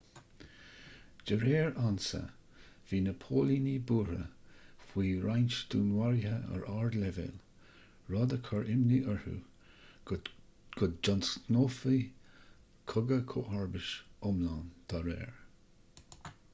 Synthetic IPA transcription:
d͡ʒəɾeːɹansə̰ | viːnəpʰoːlinibuːɾə̰fwiːɹajnʃd̪̥uːnwaɹjhəə̰ɹʔaɹd̪lɛvḛːl | ɹɔd̪əkʰɔɹʔɪmniʔəɹhṵ | ɡ̥ʊd̪d͡ʒɔnsnoːfi | kʰʊɡəkʰoːʔaɹbɪʃʊmlaːnd̪̥ʰaɾɛ̰ːɹ

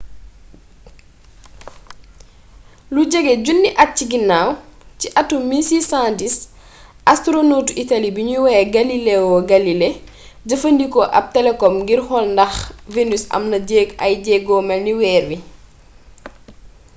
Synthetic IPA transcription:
luɟɛɡɛɟunːiʔɐt̚ciɡinːawciʔɐtːumisisãndis | ʔɐstɾonutuitɐlibiɲuwɛːɡɐlilewɔɡɐlile | ɟɐfəndikɔʔɐ̰p̚tɛlɛkɔmɡirxɔlndɐxvenysɐ̰mnɐɟɛːɡɐjɟɛːɡɔːmɛlniwɛːrwi

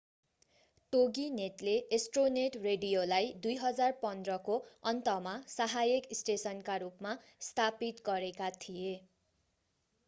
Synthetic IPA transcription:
ʈoɡinet̪leʔesʈroneʈreɖijolajd̪ujɦʌd͡zarpʌnd̪rʌkoʌnt̪ʌmasaɦajekisʈesʌnkaɾupma | st̪ʰapit̪ɡʌɾekat̪ʰije

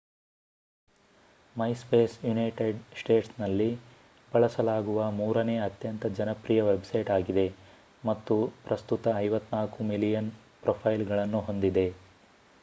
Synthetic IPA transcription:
mɐjspeːsjunɐjʈeɖsʈe̞ːʈsnɐlːi | bɐɭɐsɐlaːɡuʋɐmuːɾɐne̞ːɐt̪jɐnt̪ɐd͡ʒɐnɐpɾijɐʋe̞bsɐjʈaːɡid̪e̞ | mɐt̪ːupɾɐst̪ut̪ɐːjʋɐt̪ːnaːkumilijɐn | pɾopʰɐjlɡɐɭɐnːuɦo̞nd̪id̪e̞

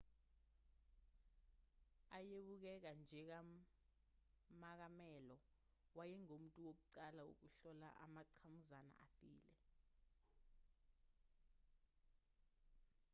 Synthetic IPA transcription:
ajeɓuk̬ɛk̬and͡ʒʱɛk̬a | mak̬amɛlɔ | wajɛŋom̩tʼuwok̬uǀalao̰k̬uɬɔla̰ʔa̰maǀʰamuzana̰afḭːlɛ

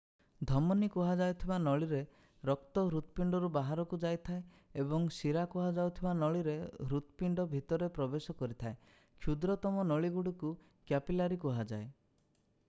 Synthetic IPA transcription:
d̪ʱɔmɔnikuɦad͡ʒajt̪ʰibanɔɭiɾe | ɾɔk̚t̪ɔɦɾut̪piɳɖɔɾubaɦaɾɔkud͡ʒajt̪ʰae | ebɔŋsiɾakuɦad͡ʒawt̪ʰibanɔɭiɾeɦɾut̪piɳɖɔbʱit̪ɔɾepɾɔbesɔkɔɾit̪ʰae | kʰjud̪ɾɔt̪ɔmɔnɔɭiɡuɽiku | kjapilaɾikuɦad͡ʒae

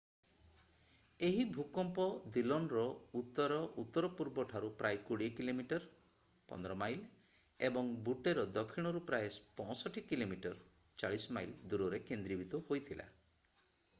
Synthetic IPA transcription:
eɦibʱukɔmpɔd̪ilɔnɾɔut̪ːɔɾɔʔut̪ːɔɾɔpuɾbɔʈʰaɾupɾajkuɽiekilomiʈɔɾ | pɔ̰nd̪ɾɔmajl | ebɔŋbuʈeɾɔd̪ɔkʰiɽ̃ɔɾupɾajspɔ̃sɔʈʰikilomiʈɔɾ | t͡ʃaɭisɔmajld̪uɾɔɾekend̪ɾibit̪ɔhojt̪ʰilʔa̰

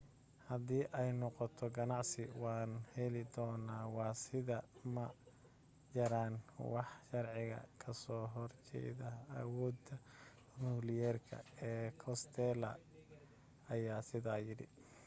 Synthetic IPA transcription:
hɐd̪iːʔɛjnɔqɔt̪ʰɔɡɐnɑʕsɪwɑːnhɛlɪd̪ɔːnaːwɑːsɪðɐmɐ | t͡ʃɐɾaːnwɑħʃɐrʕɪɣɐ̰kʰɐsɔːɦɔrt͡ʃɛ̰ːðɐːwɔːd̪ɐ | muːlɪjɛːrkʰɐ̰ɛːkʰɔst̪ʰɛlɐ̰ | ɐjaːsɪðaːjɪɽɪ̰

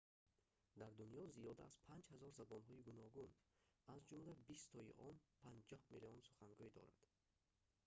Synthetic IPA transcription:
d̪aɾd̪unjɔzijɔd̪a̰az̥pʰand͡ʒhazɔɾzabɔnɦɔiɡunɔɡunazd͡ʒumlabist̪ʰɔḭʔɔnpʰand͡ʒɔhmiliɔnsu̥χaŋɡuid̪ɔ̰ɾa̰d̪̥

